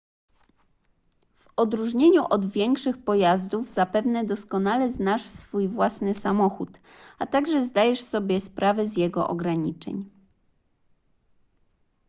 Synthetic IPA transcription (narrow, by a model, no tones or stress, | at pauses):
v̥ɔd̪ɾuʐɲeɲuʔɔd̪vʲjɛŋkʂɘxpɔjazd̪uvzapɛvnɛd̪ɔskɔnalɛznaʂsfujvwasnɘsamɔxut̪ | at̪aɡʐɛzd̪ajɛʂsɔbʲjɛspɾavɛzjɛɡɔ̰ʔɔ̰ɡɾaɲit͡ʂɛ̰ɲ